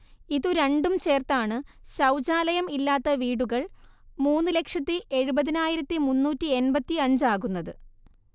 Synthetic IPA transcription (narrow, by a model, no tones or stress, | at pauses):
iðuɾe̞ɳɖumt͡ɕe̞ːrt̪aːɳɨɕɐwd͡ʑaːlɐjɐmilːaːt̪ːɐʋiːɽuɣɐɭ | muːnːɨle̞kʂɐt̪ːiʔe̞ɻubɐðinaːjiɾɐt̪ːimunːuːtːie̞nbɐt̪ːiɐɲd͡ʑaːɣunːɐðɨ